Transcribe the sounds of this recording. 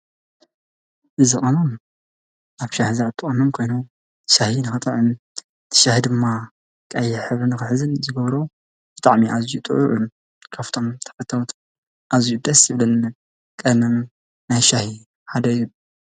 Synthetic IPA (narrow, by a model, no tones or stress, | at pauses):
ʔɨzɨxʼonom | ʔaβʃahizat̪ʰʼːɨχʼɐnomkʰo̞jnom | ʃahinɨxɨt̪ʼɨʕɨ | t̪ʰɐ̥ʃahid̪ɨmːa | kʼɐjɛħɨβɾɨnɨxɨħɨzɨnzɨɡɐβɾo | b̥ɨt̪ʼaʕmiʔazijut̪ʼɨ̰ʕʊʕum | kʰaft̪ʰo̞mt̪ʰɐ̥fɐt̪ʰːawt̪ʰ | ʔazijud̪ɐsjɨβlɨn | kʼɐd̪mɐm | najʃahi | ħad̪ɐju